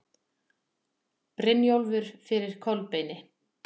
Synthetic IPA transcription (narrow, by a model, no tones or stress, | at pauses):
pɾɪmjowlvʏɾ̥fɪɾɪɾ̥kʰœlpeːjnɪ